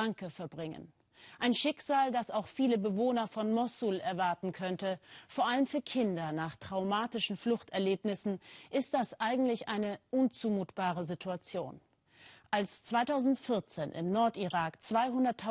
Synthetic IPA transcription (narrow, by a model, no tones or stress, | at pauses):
aŋkəfɛɐbʁɪŋə̰n | ʔaɪnʃɪkz̥aːldasaʊxfiːləbəvoːnɐfɔnmɔsulɛɐvaɐtn̩kʰœntəfoːɐʔaləmfyːɐkʰɪndɐnaːχtʁ̥aʊmaːtɪʃn̩flʊχtɛɐleːpnɪsn̩ʔɪst̚d̥asʔaɪɡŋ̩tlɪçʔaɪnəʔʊnt͡suːmuːtb̥aːʁ̞əzitʰuat͡sjo̰ːn | ʔalst͡sv̥aɪtʰaʊzn̩tfɪɐt͡seːnʔɪ̰mnɔɐtiʁaːkt͡sv̥aɪɦʊndɐtʰːa